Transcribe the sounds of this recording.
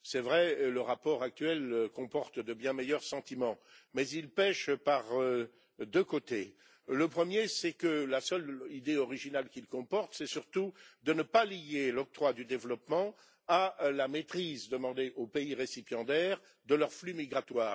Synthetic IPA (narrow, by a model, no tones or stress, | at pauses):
sɛvʁɛləʁapɔʁak̚t̪ɥɛlkɔ̃pɔʁt̪d̪əbjɛ̃mɛjœʁsɑ̃t̪imɑ̃mɛzilpɛʃpaʁø | d̪økot̪e | ləpχəmjesɛkəlasœlid̪eɔʁiʒinalkʲilkɔ̃pɔʁt̪sɛsyʁt̪ud̪ənəpalijelɔk̚t̪χwad̪yd̪evlɔpmɑ̃ | alamet̪χizd̪əmɑ̃d̪eʔopeiʁesipjɑ̃d̪ɛːʁ | d̪əlœʁflymiɡʁat̪waːʁ